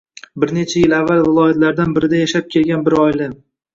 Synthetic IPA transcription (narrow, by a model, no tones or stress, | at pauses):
bɪɾne̞t͡ʃʰajɪlavːalˠvɪlˠɒjat̪laɾd̪anbɪɾɪd̪ajaʃap̚kʲʰe̞lˠɡʲanbɪɾɒjlɪ